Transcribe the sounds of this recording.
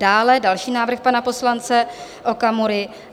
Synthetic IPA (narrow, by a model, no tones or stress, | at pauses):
daːlɛdalʃiːnaːvɾr̩xpanapo̞slant͡sɛʔokamuɾɪ